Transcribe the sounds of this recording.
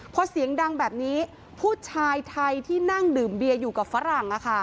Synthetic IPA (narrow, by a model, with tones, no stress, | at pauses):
pʰɔ˧˥si˨˩˦əŋda˧ŋbɛː˨˩p̚niː˦˥ | pʰuː˥˩t̪̚t͡ɕʰaː˧jt̪ʰa˧jt̪ʰiː˥˩na˥˩ŋdɯː˨˩mbi˧əjuː˨˩ka˨˩p̚fa˦˥ɾa˨˩ŋʔa˨˩kʰa˥˩